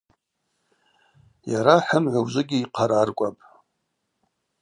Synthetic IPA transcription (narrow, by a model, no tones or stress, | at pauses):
jaɾaħəmʕʷawzɨɡʲɪiqʰaɾarkʷʼapʼ